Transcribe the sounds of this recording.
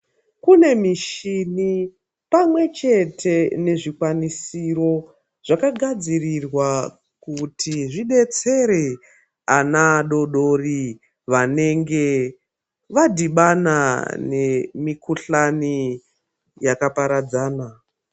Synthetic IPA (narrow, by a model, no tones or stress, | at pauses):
kune̞miʃini | pamwe̞t͡ʃe̞tʰe̞ne̞ʐikwanisiro̞ | ʐ̥akaɡʱad͡zirirwa | kutʰiʐiɓe̞t͡se̞ɾe | anaɗo̞ɗo̞ri | ʋane̞ŋɡe̞ | ʋadiɓana̰ne̞mikuɬani | jakapaɾad͡zaːna